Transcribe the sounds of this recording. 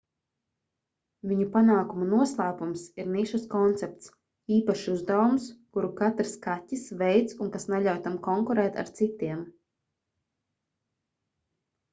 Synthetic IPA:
vʲiɲupanaːkumanuɔslˠaːpumsiɾniʃaskɔnt̪sɛp̚t̪s | iːpaʃiuzd̪awumskuɾukat̪ɾɨskatʲːisvɛjt̪suŋkasnaʎawt̪amkɔŋkuɾɛːt̪a̰ɾt̪sit̪iɛm

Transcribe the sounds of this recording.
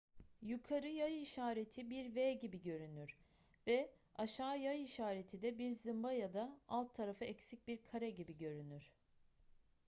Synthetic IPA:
jukʰaɾɯjajiʃaːɾe̞t̪ʰibiɾveːɟibiɟø̞ɾynyɾ̥ | vɛ | aʃaːjajiʃaːɾe̞t̪ʰid̪ɛbiɾzɯmbajad̪aalˠt̪ʰːaɾafɯɛcsic̚biɾkʰaɾɛɟibiɟø̞ɾynyɾ̥

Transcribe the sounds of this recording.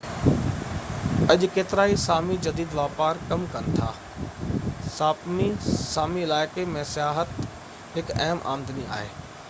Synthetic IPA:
ɐʄkeːt̪ɪɾaːisaːmid͡ʑɐd̪iːd̪ʋaːpaːɾkɐmkɐnɪt̪ʰa̰ː | saːmisaːmiɪlaːɪkemẽsijaːɦət̪ | ɦɪkɐɦmʔa̰ːmd̪ənia̰ːɦeː

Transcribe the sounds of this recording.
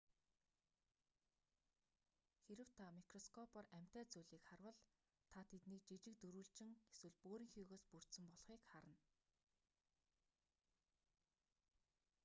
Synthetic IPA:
xeɾɘ̆w̥t̪ʰamikrɔskʰɔpʰɔræm̥ʲt̪æːt͡suɮiːkχarwə̆ɮ | t̪ʰat̪ʰet̪niːk̚t͡ɕit͡ɕɪ̆k̚t̪uɾuːɮt͡ɕɪ̆ŋxeswɘ̆ɮpoːɾiːŋxiːɣoːspur̥t̪sɘ̆mpɔɮχiːkχaɾə̆n

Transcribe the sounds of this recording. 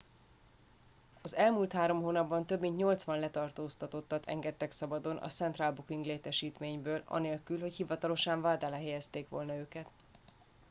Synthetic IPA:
ɒzɛlmuːlt̪haːɾo̞mɦoːnɒbːɒnt̪ø̞bmint̪ɲo̞lt̪sʋɒnlɛt̪ɒrt̪oːst̪ɒt̪o̞t̪ːɒt̪ʰɛ̰ŋɡɛt̪ːɛksɒbɒd̪o̞nʔɒ̰sɛnt̪raːlbukiŋɡleːt̪ɛʃiːt̪meːɲbøːlɒ̰neːlkylɦo̞chivɒt̪ɒlo̞ʃaɱvaːd̪alɛɦɛjɛst̪eːkʋo̞̰lnɒøːkɛt̪

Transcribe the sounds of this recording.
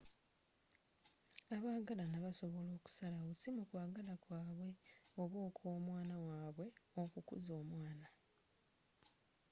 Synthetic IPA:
aβaːɡalanaβaso̞βo̞lo̞ːku̥salausimukwaːɡalakwaːβwe̞o̞βwo̞ːkʰoːmwaːnawaːβwe̞okukṵzo̞ːmwaːna

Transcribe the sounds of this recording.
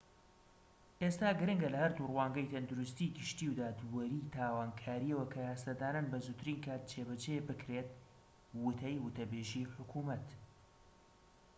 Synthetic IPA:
ʔest̪aːɡɨɾɨŋɡɐlɐhɐɾd̪urwaːŋɡɐjt̪ʰɐnd̪uɾust̪iɡɨʃt̪iwd̪aːd̪wɐɾit̪ʰaːwaːnkʰaːɾiɐwɐkʰɐjaːst̪ɐd̪aːnanbɐzut̪ʰɨɾinkʰaːt̪̚t͡ʃʰebɐt͡ʃebɨkɾet̪̚ | wʊt̪ʰɐjwʊt̪ɐbeːʒiħʊkʰuːmɐt̪

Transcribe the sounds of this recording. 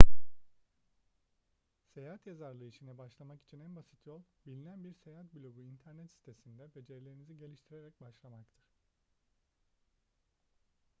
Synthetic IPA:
se̞jaːɦat̪jazaɾlˠɯiʃinɛbaʃlˠamaki̥t͡ʃʰinænbasi̥t̪ʰjo̞lˠbilʲinænbiɾse̞jaːɦat̪̚blʲo̞ɡuint̪ʰæɾnɛt̪si̥t̪ʰe̞sind̪ɛbe̞d͡ʒeɾlʲe̞ɾiniziɟe̞lʲiʃt̪ʰiɾe̞ɾɛc̚baʃlˠamakt̪ʰɯɾ̥

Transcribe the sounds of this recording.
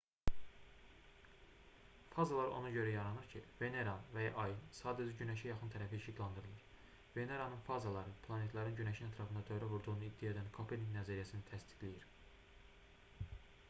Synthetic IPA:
fɑzɑlˠɑɾo̰nɑɟø̞ɾæjɑɾɑnɯɾcʰḭve̞ne̞ɾɑnvæjɑʔɑjɯnsɑːd̪æd͡ʒæɟynæʃæjɑxɯnt̪ʰæɾæfiʃiɡ̪lˠɑnd̪ɯɾɯlˠɯɾ | ve̞ne̞ɾɑnɯnfɑzɑlˠɑɾɯpʰlˠɑne̞t̪lˠɑɾɯnɟynæʃinæt̪ʰɾɑfɯnd̪ɑd̪øjɾævuɾd̪uɣunuid̪ːijɑed̪ænkʰopʰeliŋnæzæɾijæsinit̪ʰæst̪i̥ɡlijiɾ

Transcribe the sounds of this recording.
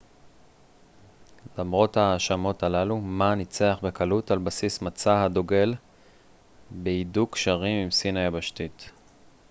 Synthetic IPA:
lamʁo̞thaːʃamo̞talalumanit͡seaχbekalutalbasismat͡sahadoɡe̞l | beidukʃaʁimimsinajabaʃtit

